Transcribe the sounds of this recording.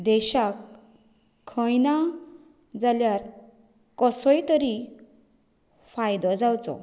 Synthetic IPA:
d̪eɕakʰː | ʌjna | d͡zaljaɾ | kɔsɔjt̪ʌɾi | fʰajd̪ɔd͡zawt͡sɔ̰

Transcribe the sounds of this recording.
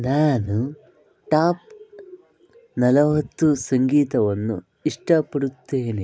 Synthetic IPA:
naːnu | ʈaːp̚ | nɐlɐʋɐt̪ːusɐŋɡiːt̪ɐʋɐnːṵ | iʂʈɐpːɐɽut̪ːeːne

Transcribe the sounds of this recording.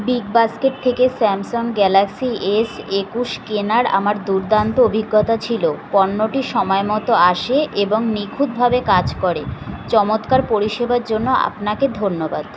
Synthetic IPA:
biɡbaskeʈ̚t̪ʰːekesɛmsonɡɛlaksiesekuʃkenaɾa̰maɾd̪uɾd̪ant̪oobʱiɡːot̪at͡ɕʰilopɔnːoʈiʃɔmɔemɔt̪oaʃeʔeboŋnikʰud̪̚bʱabekad͡ʑkɔɾet͡ɕɔmot̪kaɾpoɾiʃebaɾd͡ʑonːoa̰pnaked̪ʱonːobad̪̥

